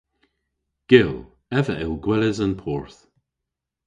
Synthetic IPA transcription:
ɡ̥ɪlˠ | ɛvəʔɪlɡwɛləzənpʰɔːɹθ

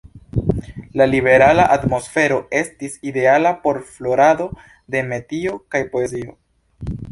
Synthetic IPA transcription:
lalibe̞ɾalaʔatmo̞sfe̞ɾo̞e̞stiside̞alapo̞ɾflo̞ɾado̞ | de̞me̞tio̞kajpo̞e̞zio̞

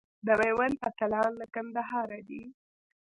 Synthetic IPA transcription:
d̪əwajwanpat̪alɑnlakand̪aɦɑɾad̪i

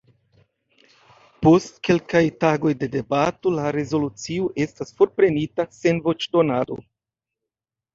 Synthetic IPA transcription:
po̞stke̞lkajtaɡo̞jde̞de̞bato̞laɾe̞zo̞lut͡sioʔe̞stasfo̞ɾpɾe̞nitase̞nvo̞t͡ʃdo̞nado̞̰

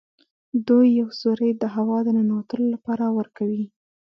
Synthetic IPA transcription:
d̪ujːawzoɾəjd̪əɦawɑd̪ənanawat̪əlolapɑɾawəɾkawi

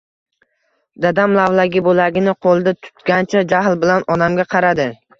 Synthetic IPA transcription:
d̪ad̪amlavlˠaɡʲɪbolaɡʲɪnɪqʰolˠd̪at̪ʰʊ̥t̪ɡʲant͡ʃʰad͡ʒaɦlbɪlanɒd̪amɡʲaqʰɑɾad̪ɪ

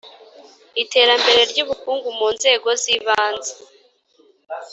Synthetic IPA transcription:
ite̞ːɾambe̞ɾe̞ɾɟuβukuːŋɡumuːnze̞ːɡo̞ziβaːnze

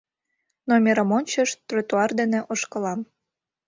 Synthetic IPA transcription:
nomʲeɾə̆monʲt͡ɕə̆ʃt̪rot̪uɑrd̪enĕʔoʃkɤ̆lɑm

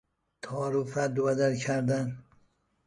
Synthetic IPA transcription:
t̪ʰɒːɾufæd̪ovæd̪ælkʰæɾd̪æn

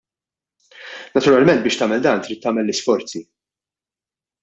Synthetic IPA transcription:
nɐt̪ʊɾɐlmɛnt̪bɪːʃt̪ɐːmɛld̪ɐːnt̪ɾiːt̪ːɐːmɛlːɪsfɔɾt͡si

